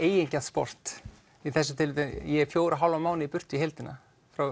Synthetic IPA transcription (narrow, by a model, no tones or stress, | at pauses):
eːjɪɲcaspɔ̰r̥t̪ | iθɛs̬ːʏ̥t̪ʰɪlvɪt̪ɛjɛfjoːwɾaɦawlamaːwnɪipʏr̥t̪ɪihelt̪ɪna̰ | fɾaw